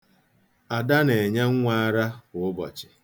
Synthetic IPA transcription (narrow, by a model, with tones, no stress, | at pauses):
a˨da˦ne˨e˨ɲa˦ŋ̩˦ŋʷa˦a˦ɾa˦kʊ˨ʊ˦bɔ̰˨t͡ʃɪ̥˨